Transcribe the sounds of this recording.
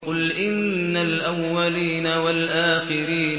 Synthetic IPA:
qʊlʔɪnːalʔawːaliːnawalʔaːxɪɾiːn

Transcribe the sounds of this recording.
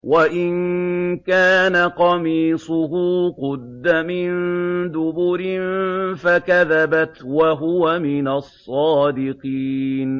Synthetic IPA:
waʔɪnkaːnaqɑmiːsˤʊɦuːqʊd̪ːamɪnnd̪ʊbʊɾɪnfakaðabat̪waɦʊwamɪnasˤːɑːd̪ɪqiːn

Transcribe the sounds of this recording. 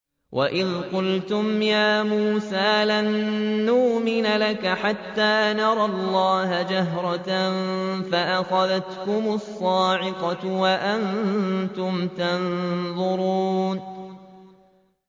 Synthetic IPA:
wʔa̰ʔɪðqʊlt̪ʊmjaːmuːsaːlanːʊʔmɪnalakaħat̪ːaːnɑɾˤɑlˤːɑːɦad͡ʒaɦɾˤɑ | faʔaxɑðat̪kʊmʊsˤːɑːʕɪqɑt̪waʔant̪ʊmt̪anðˤʊɾuːn

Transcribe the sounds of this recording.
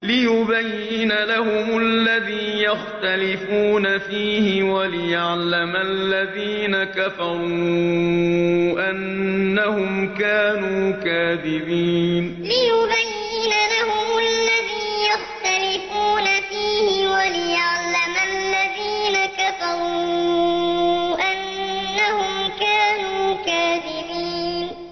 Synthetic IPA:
lɪjʊbajːɪnalahʊmʊʔlːaðiːjaxt̪alɪfuːnafiːhɪwalɪjaʕlːamalːaðiːnakafɑɾˤuː | ʔanːahʊmkaːnuːkaːðɪbiːn | lɪjʊbajːɪnalahʊmʊʔalːaðiːnjaxt̪alɪfuːnafiːhɪwalɪjaʕlamalːaðiːnakafɑɾˤuuː | ʔanːahʊmkaːnuːkaːðɪbiːnn

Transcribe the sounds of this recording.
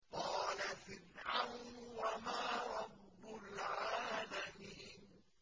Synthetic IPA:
qɑːlafɪnʕawnnwamaːɾˤɑbːʊlʕaːlamiːn

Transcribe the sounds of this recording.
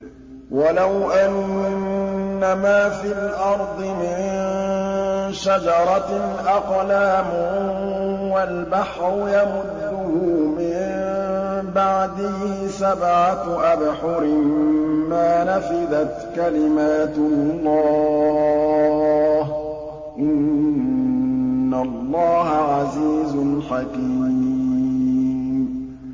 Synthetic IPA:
walawʔan | amaːfɪlʔɑɾˤd̪ˤɨmɪn | ʃad͡ʒɑɾˤɑʔɑqlaːmʊ | walbaħɾʊjamʊd̪ːʊhʊmɪn | baʕd̪ɪhiːsabʕaʔabħʊɾɪmaːnafɪd̪at̪kalɪmaːt̪lˤːɑː | h | ʔɪn | alˤːɑːɦaʕaziːzʊlħaki | m

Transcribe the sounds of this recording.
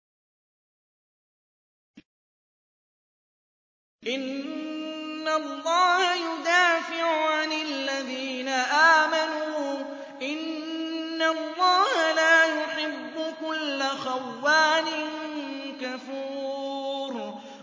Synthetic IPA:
ʔɪn | alˤːɑːhajʊd̪aːfɪʕʊʕanalːaðiːnaʔaːmanuː | ʔɪnː | alˤːɑːhalaːjʊħɪbːʊkʊlːaxawːaːnɪŋkafuː | ɾ

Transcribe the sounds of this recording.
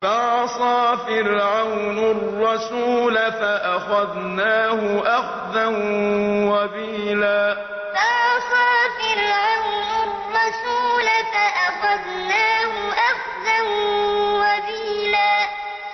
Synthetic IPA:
faʕsˤɑːfɪɾʕawnarːɑsuːlafaʔaxað | naːhʊʔaxðanwabiːlaː | faʕsˤɑːfɪɾʕawnarːɑsuːlafaʔaxað | naːɦʊʔaxðanwabiːlaː

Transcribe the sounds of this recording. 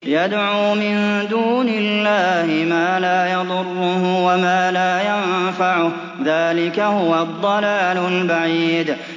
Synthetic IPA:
jad̪ʕuːmɪnd̪uːnɪlːaːhɪmaːlaːjɑd̪ˤʊrːʊhwamaːlaːjanfaʕʊ | ðaːlɪkahʊwad̪ˤːɑlaːlʊlbaʕiːd̪

